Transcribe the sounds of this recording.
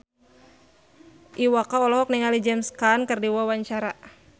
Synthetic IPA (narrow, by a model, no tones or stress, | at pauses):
ʔiwakaɔlɔɦɔk̚niŋalid͡ʒɛmskankərdiwawaɲt͡ʃaɾa